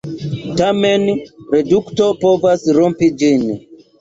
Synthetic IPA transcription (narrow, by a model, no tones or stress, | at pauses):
tamenɾeduktopovasɾompid͡ʒin